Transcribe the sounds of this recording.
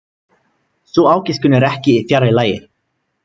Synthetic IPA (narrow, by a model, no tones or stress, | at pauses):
sɔaːwcɪskʏnːɛɾɛhcɪiθjaɾɪlaːjɪ̰̥